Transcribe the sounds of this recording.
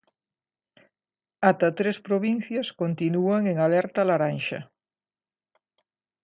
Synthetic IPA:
at̪at̪ɾespɾoβin̟θjaskont̪inuaŋeŋalɛɾt̪alaɾanʃɐ̰

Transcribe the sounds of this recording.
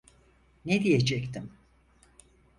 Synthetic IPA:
ned̪ijed͡ʒɛkt̪ʰim

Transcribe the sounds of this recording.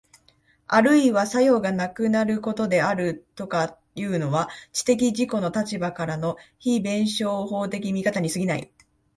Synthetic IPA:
aɾɯ̟iβasajo̞ːɡanakɯ̟naɾɯ̟ko̞t̪o̞d̪e̞aɾɯ̟t̪o̞ka | jɯ̟ːno̞βat͡ɕi̥t̪e̞k̬ʲiʑiko̞no̞t̪at͡ɕibakaɾano̞çibẽ̞ɰ̃ɕo̞ːho̞ːt̪e̞kʲimʲikat̪aɲ̟isɨɡʲinaḭ

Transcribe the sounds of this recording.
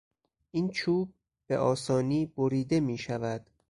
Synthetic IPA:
ʔiːnt͡ʃʰuːb̚ | b̥e̞̰ʔɒːsɒːniːboɾiːd̪e̞miːʃævæd̪̥

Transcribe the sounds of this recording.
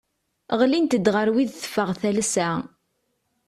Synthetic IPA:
ʁlint̪əd̪ʁəɾwiðθə̥fːəʁθælsæ

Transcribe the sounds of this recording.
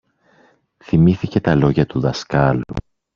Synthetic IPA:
θimiθice̞t̪ɐlo̞ʝɐt̪uðɐskɐlṵ

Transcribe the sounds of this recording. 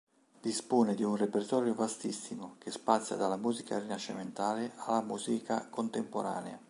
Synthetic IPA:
d̪ispoːned̪iunrepert̪ɔːɾjovast̪isːimokespat̪sːja̰d̪alːamuːzika̰rinaʃːiment̪aːlealːamuːzikʰakont̪empo̰ɾa̰ːnea

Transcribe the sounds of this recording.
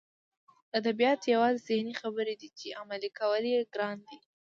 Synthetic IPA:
ad̪abijɑt̪jawɑzezɪhnixabəɾed̪it͡ʃeamalikawəljeɡɾɑnd̪i

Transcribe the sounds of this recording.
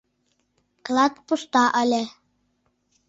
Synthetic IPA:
klˠɑt̪pust̪ɑʔə̆lʲĕ

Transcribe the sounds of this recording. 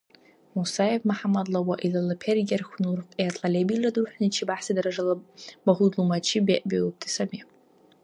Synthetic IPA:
musajevmaħamadlawaʔilalapʰerɡʲarχʷnurqʼeatʰʼalʲebiladħʷᶣnit͡ʃʰibaħsadraʐalabaʁʷudlumat͡ʃʰibeʔbʲeop̚tʰʼisami

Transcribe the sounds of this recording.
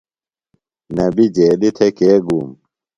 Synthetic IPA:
nɐbid͡ʑeːlit̪ʰekeːɡuːm

